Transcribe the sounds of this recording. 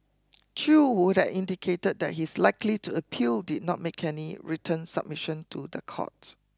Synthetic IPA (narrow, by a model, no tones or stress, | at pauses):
t͡ʃuwudɛtĩndikʰetəd̚dɛ̰t̚hislaɪklituəpʰildid̚ⁿnɔ̰t̚mekʰɛniɹitʰə̃nsa̰b̚miʃə̃ntʰudəkʰɔ̰t